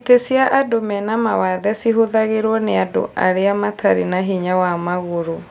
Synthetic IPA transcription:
etesiaʔadomɛnamawaðɛsiɦoðaɣeɾwɔneado̰ʔʔa̰ɾeamatʰaɾinaɦiɲawamaɣoɾo

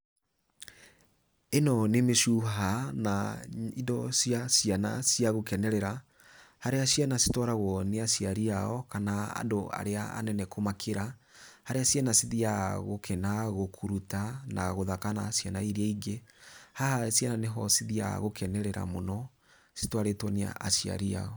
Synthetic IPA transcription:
enɔnemeʃuɦanaidɔsiasjana̰siaɣokɛnɛɾɛɾa | haɾeasjanasi̥tɔɾaɣɔneasiaɾiaɔkanaa̰doa̰ɾeaa̰nɛnɛkʰomakʰeɾahaɾeasianasiðiaɣokʰɛnaɣokʰuɾutana̰ɣoðakanasjanaiɾiaiɡehahasiananeɦɔsiðia̰ɣokʰɛnɛɾɛɾa̰monɔ | sitwaɾetwɔnea̰ʔasia̰ɾia̰ɔ

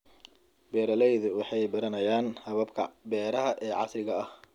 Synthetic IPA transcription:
bɛːɾɐlɛjðʊwɑħɑjbɐɾɐnɐjaːnhɐβɐbkʰɐ̰bɛːɾɐɦɐʔɛːʕɑ̰sɾɪɣɐɐh

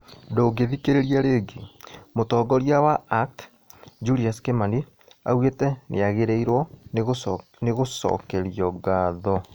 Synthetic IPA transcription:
doːɡeðikeɾeɾiaɾeːɡemotɔːɡɔɾiawaakt | d͡ʒuɾiaskemandi | a̰wetɛnḛaɣeɾɛiɾwɔ | neɣosɔ̰kɛɾiɔɡaːðɔ

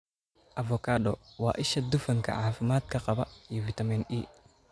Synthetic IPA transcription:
ʔɐfɔkʰaːɗɔwɑ̰ːʔɪʃɐd̪ʊfɐŋkʰɐ̰ʕaːfɪmaːd̪̚kʰɐqɑβɐijɔfɪt̪ʰɐmini

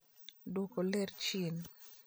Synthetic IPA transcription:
dokolɛɾt͡ʃin

